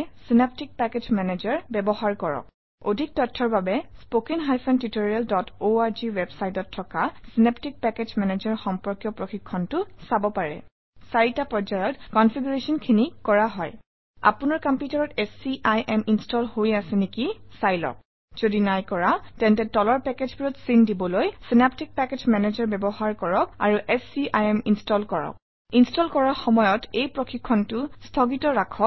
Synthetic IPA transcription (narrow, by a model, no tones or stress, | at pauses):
sinep̚tik̚pɛked͡ʒmɛnezaɹbɛbɔhaɹkɔɹɔ̰k̚ | odʱik̚tɔtʰːɔɹbabɛspokinɦajpʰɔntitoɹialdɔtoaɹziwɛbsajtɔtʰːɔkasineptik̚pɛked͡ʒmɛnezɔɹxɔmpɔɹkjɔpɹoxikʰːɔntʊsabɔpaɹɛ̰ | saɹitapɔd͡ʒajɔtkɔnfʰiɡuɹesɔnkʰinikɔɹaɦɔj | a̰pʊnaɹkampjutaɹɔtɛsiʔajʔɛminstɔlhoɹiasɛnekisajlɔ̰k̚ | z̥odinajkɔɹatɛntɛtɔlɔɹpɛkezbiɹɔtsindibɔlojsinap̚tik̚pɛked͡ʒmɛnezɔɹbɛbɔɦaɹkɔɹɔk̚a̰ɹuʔɛsiʔajɛminstɔlkɔɹɔ̰k̚ | instɔlkɔɹaxɔmɔjɔtejpɹoxʰikʰːɔntʊstʰɔɡitɔɹakʰɔk